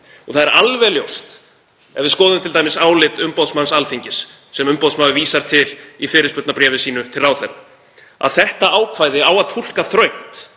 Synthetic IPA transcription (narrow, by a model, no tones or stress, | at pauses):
ɔθaðɛɾalvɛljowst̪ | ɛvɪskɔːðʏmt̪ʰɪlt̪ajmɪsaːwlɪt̪ʏmpowðsmansalfiɲcɪsː | ɛmʏmpowt̪smaːðʏviːsaɾ̥t̪ʰɪlifɪːɾɪspʏt̪napɾɛːvɪsiːnʏt̪ʰɪlrawθɛɾʏ | a̰ðθɛht̪aaːwkʰvaːjðɪawaðt̪ʰul̥kaθɾœɥht̪